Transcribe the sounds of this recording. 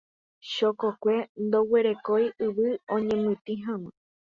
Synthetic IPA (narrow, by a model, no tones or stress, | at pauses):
ʃokokʷe̞nd̪o̞we̞ɾe̞ko̞jɨʋɨõɲẽmɨ̃t̪ĩɦãwɨ̃